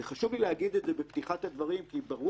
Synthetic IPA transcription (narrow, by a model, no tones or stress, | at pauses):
eχaʃuvlileaɡid̪edzebe̞pt̪iχat̪had̪vaʁimkibaʁu